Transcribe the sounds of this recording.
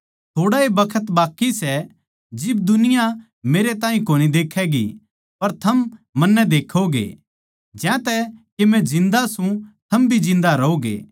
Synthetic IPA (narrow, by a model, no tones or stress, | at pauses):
t̪ʰoːɽaebɐkʰət̪baːkːisɛ | d͡ʒɪb̚d̪ʊnɪja | meːɾet̪ãːɦĩkoːñid̪eːkʰɛɡḭ | pɐɾt̪ʰɐmmɐnːɛd̪eːkʰoɡḛː | d͡ʒjãt̪ɛkemɛ̃d͡ʒɪ̃nd̪asũt̪ʰɐmbʱid͡ʒɪ̃nd̪aɾɐoɡḛː